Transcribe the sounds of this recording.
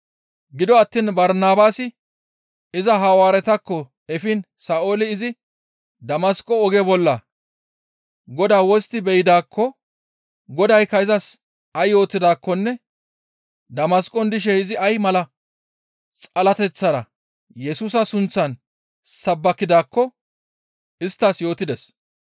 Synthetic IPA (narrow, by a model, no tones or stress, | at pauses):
ɡɪd̪ɔɐt̪ːiːnbɐɾnaːbaːsɪ | ɪzɐɦɐwaːɾɛt̪ɐkːɔ | ɛfɪn | saːoːlɪɪzɪ | d̪ɐmɐskʼːɔɔɡɛbɔlːɐ | ɡɔd̪aːwɔst̪ɪbɛjɪd̪aːkʰːɔ | ɡɔd̪ɐjkːɐɪzɐs | ɐjːo̞ːt̪ːɪd̪aːkːɔnːɛ | d̪ɐmɐskʼːɔnd̪ɪʃ̬ɛɪzɪɐjmɐlɐ | t͡sʼɐlɐt̪ɛt͡sːɐɾɐ̰ | jɛsuːs̬ɐsʊnt͡sːɐn | sɐbːɐkːɪd̪aːkːɔ | ɪst̪ːɐsjo̞ːt̪ːɪd̪ɛs